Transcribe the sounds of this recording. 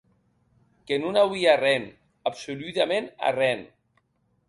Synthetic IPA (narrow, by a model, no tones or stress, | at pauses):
kenunawiarɛn | apsolut̪amẽna̰rɛn